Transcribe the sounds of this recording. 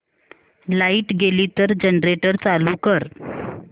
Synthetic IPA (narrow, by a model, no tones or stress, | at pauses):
laiʈɡeliːt̪əɾd͡ʑənɾeʈəɾt͡saluːkəɾ